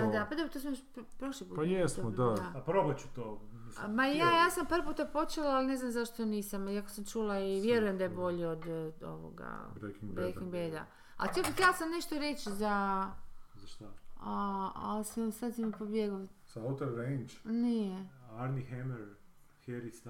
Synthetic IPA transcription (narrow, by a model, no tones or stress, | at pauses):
pad̪apad̪obt̪osmjoʃppɾoʃlipuːpjesmod̪ad̪aapɾobat͡ɕu̥t̪oːimajaːjaːsampaɾpuːt̪apo̞t͡ʃelaːline̞znamzaʃt̪oniːsamiako̥samt͡ʃuːlaiʋjeɾujemd̪ajebo̞ʎeod̪o̰ʋo̰ɡa̰bɾekiŋɡbɾekiŋɡbejd̪a̰ | a̰t̪ʲet̪jelasamne̞ʃt̪oɾet͡ʃza | zaʃt̪a | a̰lsasad̪samipo̞bjeɡosaaut̪oɾɾend͡ʒnieaɾnixemeɾ | heɾis